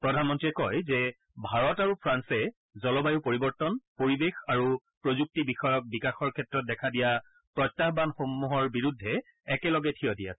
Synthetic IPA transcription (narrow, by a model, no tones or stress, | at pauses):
pɹɔdʱanmɔntɹiɛkɔjzɛ | bʱaɹɔtaɹupʰɹansɛ | zɔlɔbajupoɹibɔɹtɔnpoɹibexaɹu | pɹozuk̚tibixɔjɔk̚bikaxɔɹkʰɛtɹɔt̚dɛkʰadija | pɹɔtːaxbanxomːuɦɔɹbiɹudʱːɛ | ɛkɛlɔɡɛtʰijɔdija̰sɛ